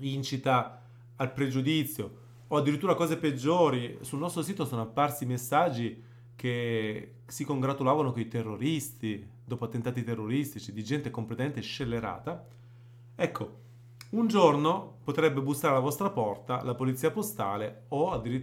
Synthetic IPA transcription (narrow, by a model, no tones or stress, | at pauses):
vint͡ʃit̪aː | lpɾed͡ʒud̪it̪sːjoː | ad̪ːiɾit̪ːuɾakɔːzeped͡ʒːoːɾisulnɔst̪ɾosiːt̪osɔːnoapːarsimesːad͡ʒːi | k̟e | sikoŋɡɾat̪ulaːvanokoit̪erːoɾist̪id̪ɔːpoat̪ːent̪aːt̪it̪erːoɾist̪it͡ʃid̪id͡ʒɛnt̪ekomplet̪ament̪eʃelːeɾa̰ːt̪a | ɛkːo | und͡ʒornopot̪ɾɛbːebust̪ːaɾelavɔst̪ɾapɔrt̪alapolit̪siːapost̪a̰ːleoad̪ːiɾi